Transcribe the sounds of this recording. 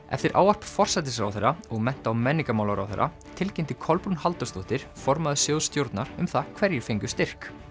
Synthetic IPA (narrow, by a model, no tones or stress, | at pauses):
ɛ̰ft̪ɪɾʔa̰ːwar̥pfɔr̥sat̪̬ɪsa̰wθɛɾːaɔɣmɛn̥t̪awmɛnːiŋkamawlawɾa̰wθḛɾʔa̰ | t̪ʰɪlcɪjmt̪ɪkʰɔlpunhalt̪ʏst̪oht̪ɪɾ̥fɔɾmaðʏsjowðst̪jowɾt̪naɾ̥ʏmθakʰvɛɾjɪɾ̥fejŋkʏst̪ɪr̥k